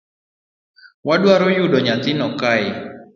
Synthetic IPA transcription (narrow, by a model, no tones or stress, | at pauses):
wadwaɾojudɔɲat̪ɪnɔkaɪ